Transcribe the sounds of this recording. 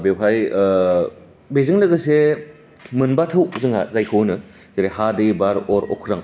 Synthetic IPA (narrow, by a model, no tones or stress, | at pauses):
bewɦaj | bezɯŋlɯɡɯse | mɯnbatʰɯwzɯŋa̰zajkʰɯwnɯ | zeɾehadɯbaɾɔɾɔ̰kʰɾaŋ